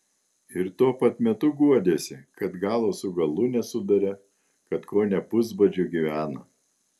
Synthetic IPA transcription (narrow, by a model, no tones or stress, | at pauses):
ɪɾt̪uɔpɐt̪mʲɛt̪ʊɡuɔd̪ʲeːsʲɪkɐt̪ɡɑːlˠoːsʊɡɐlˠʊnʲɛsʊd̪ɐɾʲɛ | kɐt̪koːnʲɛpʊzbɐd͡ʒʲuɡʲiʋʲæːnoː